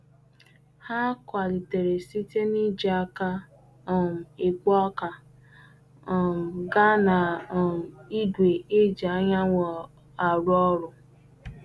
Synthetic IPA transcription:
ha˦kʷa˨li˨te˨ɾe˨si˦te˦ni˦d͡ʒi˦a˦ka˦˨ | m̩˨i˨ɡʷɔ˦ka˨ | ɡa˦na˨ | i˦ɡʷe˨e˦d͡ʒa˨˦ɲa˦ŋʷɔ˨ | a˨ɾʊ˦ɔ˦ɾʊ˨

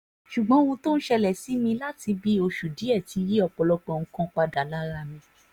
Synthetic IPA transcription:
ʃu˨ɡ͡bɔ̃˨˦ũ˧to˦n̩˦ʃɛ˧lɛ˨si˨˦mĩ˧la˦ti˧bi˦o˧ʃu˨di˨˦ɛ˦˨ti˨˧˦ji˦ɔ˧k͡pɔ˨lɔ˧k͡pɔ̃˧˨ŋ̩̃˧kɔ̃˦k͡pa˧da˨la˦ɾa˧mĩ˧

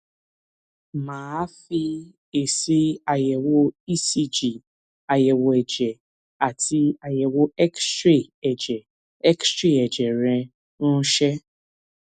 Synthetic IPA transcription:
maː˨˦fi˦ | e˨si˦a˨je˨wo˦i˦si˦d͡ʒi˨ | a˨je˨wo˨ɛ˨d͡ʒɛ˨ | a˨ti˦a˨je˨wo˦ɛ˦ksɾi˦˨ɛ˨d͡ʒɛ˨ | ɛ˦kstɾi˦ɛ˨d͡ʒɛ˨ɾɛ̃˨ | nũ˦ʃɛ˦

